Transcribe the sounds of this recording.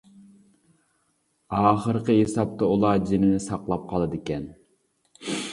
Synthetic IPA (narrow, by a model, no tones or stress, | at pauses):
ɑːχəɾqəɦesɑp̚t̪ʰɑulˠɑɾd͡ʒinɪnɪsɑqlˠɑp̚qʰɑlˠɨd̪ɪkʲɛn